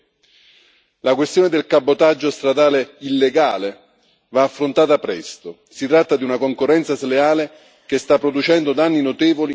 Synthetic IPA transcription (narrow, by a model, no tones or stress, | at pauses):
lakwest̪joːned̪elkabːot̪ad͡ʒːost̪ɾad̪aːleilːeɡaːle | vaːfːɾont̪aːt̪apɾɛst̪o | sit̪ɾat̪ːad̪iunakoŋkorːɛnt̪saseleaːle | k̟est̪apːɾod̪ut͡ʃɛnd̪od̪anːinot̪eːvoli